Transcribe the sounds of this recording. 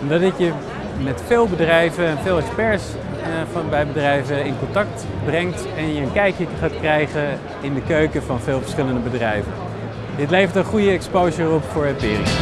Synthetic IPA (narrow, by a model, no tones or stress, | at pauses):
ɔmdɑtɪtjə | mɛtfɪːlˠbədrɛjvəɛnfɪːlˠɛkspɛɹs | fnbɛjbədrɛjvəɪnkɔntɑk̚t | brɛŋt | ɛnjəənkɛjkjəχaːtkrɛjχən | ɪndəkøɥkəvɑnvɪːlˠvəɹsχɪləndəbədrɛjvə̰n | dɪtlejvəɹtənχujəɛkspowʒərɔpfʊːɹɛpɪ̰ːrɪ̰